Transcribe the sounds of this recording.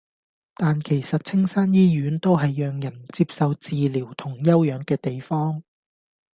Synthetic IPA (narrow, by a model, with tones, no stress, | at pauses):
t̪aː˨nkʰe˨˩jsɐ˨t̚t͡sʰɪ˥ŋsaː˥njiː˥jyː˨˥nt̪o˥wɦɐ˨jːœː˨ŋjɐ˨˩nt͡siː˧p̚sɐ˨wt͡siː˨˧liː˨˩wt̪ʰʊ˨˩ŋjɐ˥wjœː˨˥ŋkɛː˧t̪e˨jfɔː˥ŋ